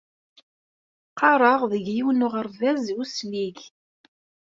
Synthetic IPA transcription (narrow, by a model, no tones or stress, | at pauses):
qʰɑɾˤɑʁðəʝjiwnʊʁəɾvæzusliʝ